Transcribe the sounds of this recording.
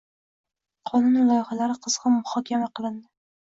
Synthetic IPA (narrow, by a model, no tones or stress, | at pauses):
qʰɒnʊnɪlˠɒjχalaɾɪqʰɨz̥ʁɑmʊhɒkʲʰamaqʰɨlˠɪnd̪ɪ